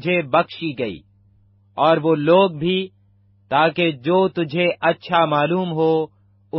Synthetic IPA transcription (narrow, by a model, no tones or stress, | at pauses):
d͡ʒʱebɐkʃiɡɐḭː | ɔːɾʋoːloːɡ̚bʱi | t̪aːked͡ʒoːt̪ʊd͡ʒʱeʔɐtːʃʰamaːluːmɦo | ʊ